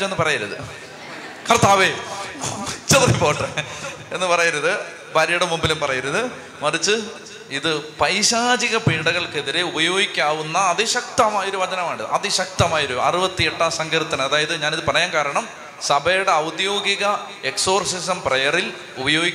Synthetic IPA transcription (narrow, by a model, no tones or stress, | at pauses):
enːɨpɐrɐjiɾɐðɨ̰ | kɐrt̪aːʋeː | t͡ɕet̪ripoːʈrɐ | e̞nːɨpɐrɐjiɾɐðɨ | bɐɾjɐɽɐmːumbilumpɐrɐjiɾuðɨ | mɐrit͡ɕːɨ | iðɨpɐjɕaːd͡ʑiɣɐpiɳɖɐɣɐɭke̞ðiɾeubɐjo̞ːɡikʲːaːʋunːɐːðɨɕɐk̚t̪ɐmaːjo̞ɾuʋɐd͡ʑɐnɐmaːɳɖiðɨ̰ɐðɨɕɐk̚t̪ɐmaːjɐoɾuɐ̰rubɐt̪ːieʈːaːsɐŋɡɐɾut̪ːɐnɐmɐðaːjɐðɨɲaːniðɨpɐrɐjaːnkaːɾɐɳɐm | sɐbʱɐjuɽeɐwd̪jo̞ːɡiɣɐ | e̞kso̞ːrsisɐmprejɐril | ubɐjo̞ːɡikʲː